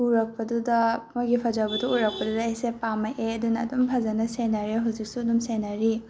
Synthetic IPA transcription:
uɾɐk̚pɐdudɐmɔɡipʰɐd͡ʒawbɐduuɾɐk̚pɐdudɐejsepamɐʔeɐdunɐːdumpʰɐzɐnɐsenaɾiɦuzik̚suɐdumsenaɾi

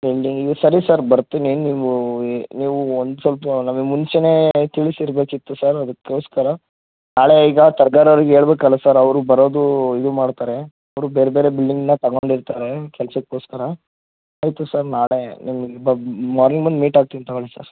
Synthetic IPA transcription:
bilɖiŋɡiɡɐsɐɾisaɾbɐɾt̪ːininiːʋuniːʋuond̪usʋɐlp̬ɐnɐmɐɡemunt͡ʃene̞ːt̪iɭisiɾbeːkit̪ːusaɾɐd̪ɐkːoːskɐɾɐ | naːɭeiːɡɐt̪ɐɾɡaːɾɐʋɐɾiɡeːɭbeːkɐlːasaɾɐʋɾubɐɾo̞ːd̪uid̪umaːɽt̪aːɾe | ɐʋɾube̞ːɾebeːɾebilɖiŋɡinːɐt̪ɐɡoːɳɖiɾt̪aːɾekɛlsɐkːoːskɐɾɐ | aːjt̪usaːɾnaːɭenimɐɡebɐmaːɾnĩŋɡbɐnd̪miːʈaːɡ̚t̪iɐnt̪ɐʋɐɭisa̰ːɾ

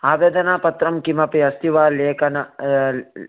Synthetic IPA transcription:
aːʋeːd̪ɐnaːpɐt̪ɾɐmkimɐpiɐst̪iʋaːleːkɐnɐ

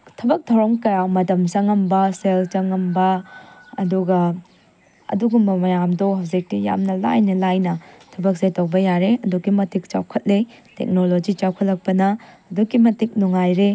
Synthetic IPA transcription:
tʰɐbɐk̚dʰawɾɐmkɐjawmɐtɐmsɐŋɐmbɐselt͡ʃɐŋɐmbɐɐduɡɐ | ɐ̰duɡumbɐmɐjamdoɦɐwzik̚tija̰mnɐla̰jnɐlajnɐtʰɐbɐk̚zejtowbɐjaɾeɐduɡimɐtik̚t͡ʃa̰wkʰɐt̚letḛk̚nolod͡ʒit͡ʃawkʰɐt̚lɐk̚pɐnɐː | duɡimɐtik̚nuŋajɾe

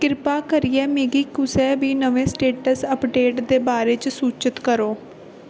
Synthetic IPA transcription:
kɪɾpaːkəɾɪjɛːmeːɡiːkʊsɛːbiːnəʋẽːsʈeːʈəsəpɖeːʈd̪eːbaːɾeːt͡ʃsuːt͡ʃət̪kəɾoː

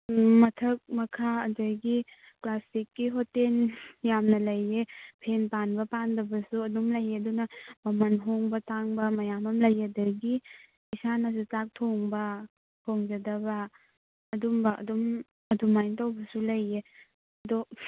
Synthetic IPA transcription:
mɐtʰɐk̚mɐkʰaɐdɐɾɡi | klasikːiɦoteljamnɐlɐjːepʰenpanbɐpandɐbɐsuɐdumlɐjeɐdunɐmɐmɐnɦoŋbɐtaŋbɐmɐjamɐmlɐjɐdɐɡi | isanɐs̬ut͡ʃak̚tʰoŋbɐ | hoŋd͡ʒɐdɐbɐː | dumbɐʔɐ̰dum | ɐdumajntawbɐsulɐjːe | ɐdɔ

